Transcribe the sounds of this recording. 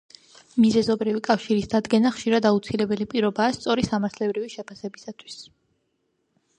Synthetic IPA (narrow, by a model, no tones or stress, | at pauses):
mizɛzɔbɾivikʼafʃiɾisd̪ad̪ɡɛnaχʃiɾad̪aut̪sʰilɛbɛlipʼiɾɔbaːst̪sʼɔɾisamaɾt̪ʰlɛbɾiviʃɛpʰasɛbisat̪ʰwi̥s